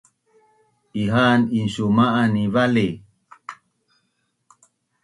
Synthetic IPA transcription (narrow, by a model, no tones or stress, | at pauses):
iɦaninɕumaʔanivale